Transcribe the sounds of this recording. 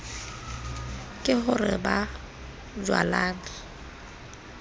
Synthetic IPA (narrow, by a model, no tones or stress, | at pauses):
kʼɪχʊrɪba | d͡ʒwa̰laːŋɪ